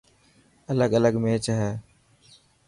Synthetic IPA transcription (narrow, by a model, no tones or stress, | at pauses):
ələɠələɠmeːt͡ʃɦɛː